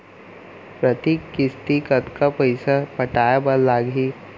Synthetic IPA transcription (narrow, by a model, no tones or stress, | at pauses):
pɾɐt̪ikːɪst̪ikɐt̪kapɐɪsapɐʈaːjabɐlaːɡɦi